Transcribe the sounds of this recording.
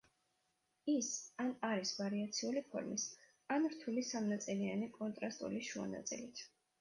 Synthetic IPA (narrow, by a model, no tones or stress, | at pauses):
isanaɾisvaɾiat̪sʰiulipʰɔ̰ɾmis | anɾt̪ʰulisamnat̪sʼilianikʼɔnt̪ʼɾast̪ʼṵliʃua̰na̰t̪sʼḭlit̪ʰ